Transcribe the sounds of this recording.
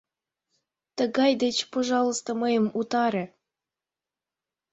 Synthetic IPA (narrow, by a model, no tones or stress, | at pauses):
t̪əɣɑjd̪et͡ɕpoʒɑlˠəst̪oməjəmut̪ɑɾĕ